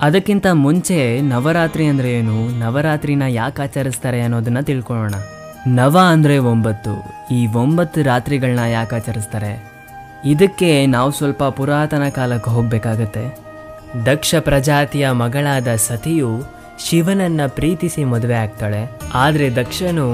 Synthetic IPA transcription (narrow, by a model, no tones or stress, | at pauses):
ɐd̪ɐkːint̪ɐmuɲt͡ʃe̞nɐʋɐɾaːt̪ɾiɐnd̪ɾejeːnunɐʋɐɾaːt̪ɾinɐjaːkaːt͡ʃɐɾist̪aːɾe̞ɐnːoːd̪ɐnːɐt̪iɭkɔɭoːɳɐ | nɐʋaɐnd̪ɐɾe̞ʋombɐt̪ːṵ | iːʋombɐt̪ːuɾaːt̪ɾiɡɐɭnɐjaːkaːt͡ʃɐɾist̪aːɾe̞ | id̪ɐkːe̞naːʋusʋɐlpɐpuɾaːt̪ɐnɐkaːlɐkːuɦo̞ːɡ̚beːkaːɡut̪ːe̞ | d̪ɐkʂɐpɾɐd͡ʒaːt̪ijɐmɐɡɐɭaːd̪ɐsɐt̪ʰiju | ʃiʋɐnɐnːɐpɾiːt̪isimɔd̪ɐʋeaːɡ̚t̪aːɽe̞aːd̪ɐɾe̞d̪ɐkʂɐnu